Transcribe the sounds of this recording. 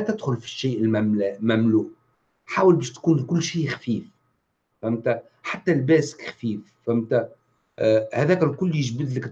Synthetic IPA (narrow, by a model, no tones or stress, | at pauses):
t̪ɪd̪xʊlfi̥ʃːiːʔɪlmæːʔmæmluːʔ | ħaːwəlbɛːʃt̪kuːnkʊlːʃiːxfiːf | fæmt̪æ | ħat̪ːælbæːsɪ̥kxfiːf | fæmt̪æ | hæðæːkælkʊlːjɪʒbɪd̪lɪkt̪